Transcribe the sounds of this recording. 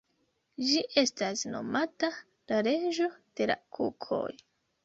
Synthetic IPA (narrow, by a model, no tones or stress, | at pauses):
d͡ʒiʔe̞stasno̞̰mata | laɾe̞ʒo̞d̥e̞la̰kʰṵkʰo̞̰j